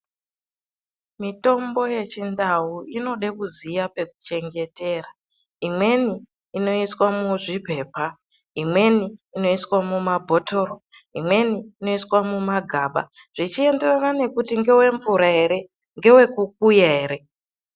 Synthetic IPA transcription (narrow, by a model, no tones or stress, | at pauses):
mito̞mbo̞je̞t͡ʃindawuino̞ɗe̞kuzijape̞ku̥t͡ʃe̞ŋɡe̞te̞ːra | imwe̞niː | no̞iswamuʐipe̞ːpa | imwe̞niːno̞iswamumabʱo̞tʰo̞ɾo | imwe̞niːno̞iswamumaɡʱaːɓa̰ | ʐ̥it͡ʃie̞nde̞ranane̞kutiŋɡe̞we̞ɱvuɾaɦe̞ɾe̞ | ŋɡe̞we̞kukujaɦeɾe̞